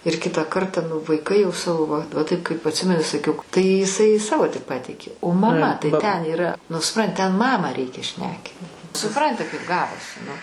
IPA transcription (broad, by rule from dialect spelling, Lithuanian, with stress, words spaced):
ɪr ˈkʲɪtɑː ˈkɐrtɐ nʊ ʋɐɪˈkɐɪ jɛʊ ˈsɑːʋoː ʋɐ ʋɐ ˈtɐɪp kɐɪp ɐtʲˈsʲɪmʲɛnʲɪ sɐˈkʲɛʊ tɐɪ ɪˈsɐɪ ˈsɑːʋoː tʲɪk ˈpɑːtʲɛɪkʲeː oː mɐˈmɐ tɐɪ tʲɛn iːˈrɐ nʊ sʊˈprɐn tʲɛn ˈmɑːmɑː ˈrʲɛɪkʲɛ ˈʃʲnʲæːkʲiːt sʊˈprɐnʲtʲɪ kɐɪp ˈɡɑːʋoːsʲɪ nʊ